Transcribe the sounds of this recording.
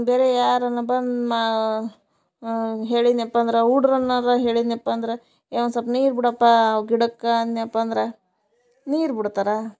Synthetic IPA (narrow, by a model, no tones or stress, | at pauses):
beːɾejaːɾɐnːɐbɐnd̪ma | ɦeːɭid̪niɐpːɐɐnd̪ɾeuɽɾɐnːɐɾɐɦeːɭid̪niɐpːɐːnd̪ɾe | eːʋɐnsɐpniːɾbiɽɐpːaɡiɽɐkːanniɐpːɐːnd̪ɾe | niːɾbiɽt̪aːɾa